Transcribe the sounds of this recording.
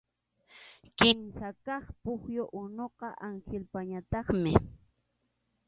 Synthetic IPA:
kɪmsakɑχpʊχjoʔʊnoqɑʔaŋxelpaɲat̪ɑχmɪ

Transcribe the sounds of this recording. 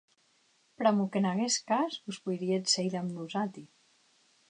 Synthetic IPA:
pɾamukenaɣeskazbuspujɾiet̪sejɾamnuzat̪i

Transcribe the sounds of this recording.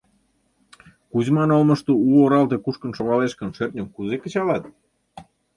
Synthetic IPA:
kuzʲmɑnolmə̆ʃt̪ouoɾɑlt̪ekuʃkə̆nʃoɣɑleʃkə̆nʃert̪nʲomkuzekə̆t͡ɕɑlɑt̪̚

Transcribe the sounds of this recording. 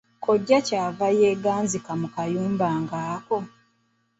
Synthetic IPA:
kʰoɟːacaːvajeːɡaːnzikamukajuːmbaːŋɡaːko̞

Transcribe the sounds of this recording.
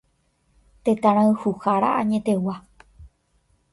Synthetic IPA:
t̪et̪ãɾ̃ãɰhuhaɾaaɲẽ̞t̪e̞wa

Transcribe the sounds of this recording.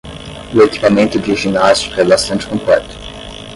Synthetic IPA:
ʊeki̥pamẽnt̪ʊd͡ʒiʒinast͡ʃi̥kʊɛbast̪ɐ̃nt͡ʃɪ̥kõmplɛt̪ʊ̥

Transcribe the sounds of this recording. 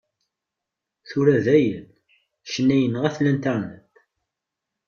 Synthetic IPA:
θʊɾæðæjən | ʃənːæjənəʁæθlænt̪aɾnət̪

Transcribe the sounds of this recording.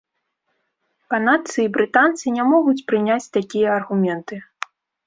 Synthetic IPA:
pɐnat̪sɨibɾɨt̪ant̪sɨnʲamɔɣut͡sʲpɾɨnʲat͡sʲt̪akʲijɐɐrɣumʲɛnt̪ɨ

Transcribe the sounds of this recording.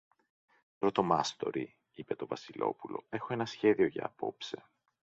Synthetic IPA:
pɾo̞t̪o̞mɐst̪o̞̰ɾi | ipe̞t̪o̞vɐsilo̞̰pulo̞e̞xo̞e̞nɐsçe̞ðio̞ʝɐ̰ːpo̞pse̞

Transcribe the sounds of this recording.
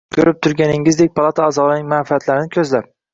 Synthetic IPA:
kʲʰɵɾɪp̚t̪ʰʊɾɡʲanɪŋɪzd̪e̞k̚ʲpʰalˠat̪ʰaːzɒlɪnɪŋmanfiat̪laɾɪnɪkʰʲɵzlap̚

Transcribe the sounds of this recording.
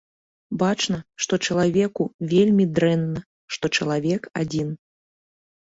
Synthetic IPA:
bat͡ʂnɐʂt̪ɔt͡ʂɐlˠavʲɛkuvʲelʲmʲid̪ɾɛnːɐ | ʂt̪ɔt͡ʂɐlˠavʲɛkad͡zʲin

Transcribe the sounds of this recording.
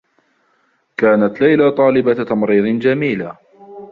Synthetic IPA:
kaːnat̪lajlat̪ˤɑːlɪbat̪ɑmɾiːd̪ˤnd͡ʒamiːla

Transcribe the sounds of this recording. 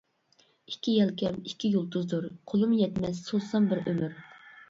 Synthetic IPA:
i̥kʲʰːijɛlkʲɛmikʲʰːijolˠt̪uzd̪uɾqʰolˠumjɛt̪mɛsːosɑmbɪɾømyɾ

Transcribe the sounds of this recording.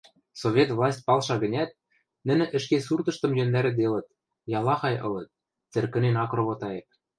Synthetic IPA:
sovʲet̪vlˠɑsʲt̚ʲpɑlˠʃɑɡə̆nʲæt̪̚ | nɘ̆nɘ̆ʔɘ̆ʃkesurd̪ɤ̆ʃt̪ɤ̆mjønd̪æɾɘ̆d̪elɤ̆t̪̚ | jɑlˠɑxɑjʔɤ̰̆lɤ̆t̪̚ | t͡sɘ̆rkɘ̆nenɑkroβot̪ɑjep̚

